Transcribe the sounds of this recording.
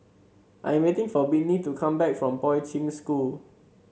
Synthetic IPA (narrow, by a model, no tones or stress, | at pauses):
ʔã̰jɛ̃mwetɪ̃ŋfɔbinitukʰãmbɛkfɹɔ̃mpɔɪtĩŋskul